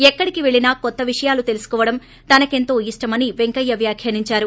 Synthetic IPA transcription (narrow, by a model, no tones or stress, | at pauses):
ɛkːɐɽikiʋe̞ɭinaːkɔt̪ːɐʋiʂɐjaːlut̪e̞lusu̥kɔːʋɐɽɐm | t̪ɐnɐke̞nt̪o̞ːiʂʈɐmɐniʋeŋkɐjːɐʋjaːkʰjɐniɲt͡ʃaːɾu